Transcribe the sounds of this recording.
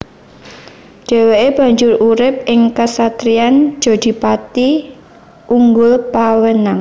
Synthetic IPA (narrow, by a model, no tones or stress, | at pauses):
d̥ɛ̤weʔeb̥a̤ɲd͡ʒʊruɾɪp̚ɪŋkasat̪ɾian̥d͡ʒ̥ɔ̤d̪̥i̤pat̪i | uŋɡʊlpawənaŋ